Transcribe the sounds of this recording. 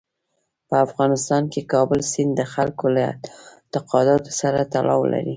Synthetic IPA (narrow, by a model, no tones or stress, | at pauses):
pəafɣɑnɪst̪ɑnkekɑbəlsɪnd̪əxalkoləɪ̰t̪ɪqɑd̪ɑt̪o̥saɾat̪alʔɑwla̰ɾi